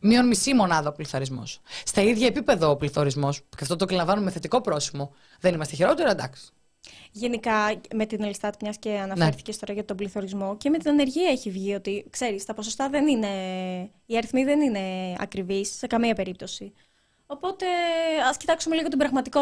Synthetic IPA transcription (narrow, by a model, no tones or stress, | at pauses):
mio̞nmisimo̞nɐðɐopliθɐɾizmo̞̰sst̪ɐiðʝɐepipe̞ðɐopliθo̞ɾizmo̞scɐft̪ot̪okilɐ̃vɐnummeθe̞t̪iko̞pɾo̞simo̞ | ðe̞nimɐst̪eçeɾo̞t̪eɾɐd̪ɐ̰ks | ʝe̞nikɐme̞t̪inelist̪ɐt̪pɲɐsce̞ɐnɐe̞ɾθi̥cest̪oɾɐʝɐt̪o̞bliθo̞ɾizmo̞ce̞me̞t̪inɐne̞ɾʝiɐeçivʝio̞t̪ikse̞ɾist̪ɐpo̞sost̪ɐðe̞nine̞ | iɐɾiθmiðe̞nine̞ɐ̰kɾivisːe̞kɐmiɐpe̞ɾip̚t̪o̞si | o̞po̞t̪e̞ɐscit̪ɐksume̞liɣo̞t̪ibɾɐɣmɐt̪iko